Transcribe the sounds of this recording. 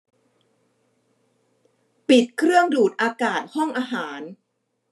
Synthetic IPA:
pi˨˩t̪̚kʰɾɯ˥˩əŋduː˨˩t̪̚ʔaː˧kaː˨˩t̪̚hɔ˥˩ŋʔaː˧ɦaː˩˦n

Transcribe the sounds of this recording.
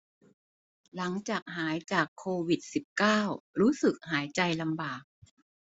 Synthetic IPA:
la˩˦ŋt͡ɕaː˨˩k̚ɦaː˩˦jt͡ɕaː˨˩kʰːoː˧wi˨˩t̪̚si˨˩p̚kaː˥˩wɾuː˦˥sɯ˨˩k̚haː˩˦jt͡ɕa˧jla˧mbaː˨˩k̚

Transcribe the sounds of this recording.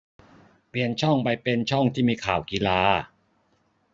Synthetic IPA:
pi˧ənt͡ɕʰɔ˥˩ŋpa˧jpe˧nt͡ɕʰɔ˥˩ŋt̪ʰiː˥˩miː˧kʰaː˨˩wki˧laː˧

